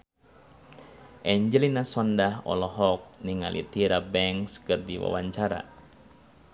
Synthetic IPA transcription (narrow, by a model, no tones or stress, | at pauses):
ʔɛɲd͡ʒəlinasɔndahɔ̰lɔɦɔk̚niŋalḭt̪iɾabɛŋskɨrdiwa̰waɲt͡ʃaɾa̰